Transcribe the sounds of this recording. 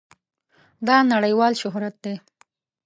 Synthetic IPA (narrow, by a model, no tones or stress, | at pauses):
d̪ɑnaɽəjwɑlʃʊɦɾat̪̚d̪e